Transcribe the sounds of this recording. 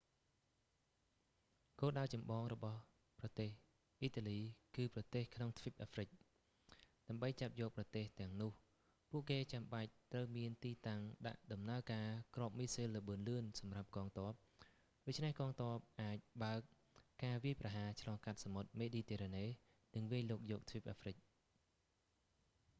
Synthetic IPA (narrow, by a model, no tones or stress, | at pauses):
koːlɗaət͡ɕɑmɓɑːŋrɔɓɑh | prɑt̪eːh | ʔiːt̪aːliːkɨːprɑt̪eːhkʰnoŋt̪ʰʋip̚ʔaːfrɨc̚ | ɗaəmɓəjt͡ɕap̚jɔːk̚prɑt̪eːht̪ɛ̆əŋnʊ̆əh | puəʔkeːt͡ɕamɓac̚t̪rəwmiənt̪iːt̪aŋɗa̰ʔɗɑmnaəkaːkrŏəp̚miːsilːəɓɨənlɨənsɑmrap̚kɑːŋt̪ŏəp̚ | ɗoːc̚t͡ɕʰnɛhkɑːŋt̪ŏəp̚ʔaːc̚ɓaək̚ː | aːʋiəjprɑɦaːt͡ɕʰlɑːŋkat̪̚samot̪̚meːɗiːt̪ɛːɾaːneː | nɨŋʋiəɲloːk̚jɔːk̚t̪ʰʋip̚ʔaːfrɨc̚